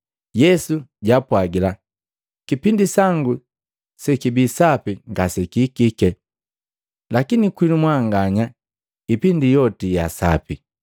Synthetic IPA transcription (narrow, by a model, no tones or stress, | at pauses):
jɛsuɟapwaɡila | kipindisaŋɡu | sɛkibisapiŋɡasɛkikikɛ | lakinikwinumwaŋɡaɲa | ipindijɔtija̰sa̰pi